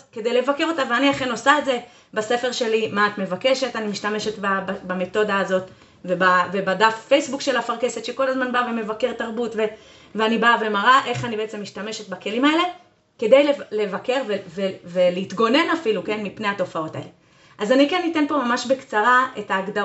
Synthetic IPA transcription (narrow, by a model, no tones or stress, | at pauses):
ke̞dejle̞vakeʁo̞taveaniaχeno̞saetze̞ | base̞feʁʃe̞limaːtme̞vake̞ʃe̞tanimiʃtame̞ʃetbababame̞to̞daːzo̞t | vebavebadafːejsbukʃe̞lafaʁke̞se̞tʃeko̞lazmanbaveme̞vake̞ʁtaʁbutve | veanibave̞maʁaʔe̞χanibeet͡se̞mːiʃtame̞ʃetbake̞limae̞le̞ | ke̞dejlele̞vake̞ʁveveveleit̪ɡo̞ne̞nafiluke̞nmipne̞ato̞fao̞taḛle | ʔazanikenːite̞npo̞mamaʃbe̞kt͡saʁae̞taːɡda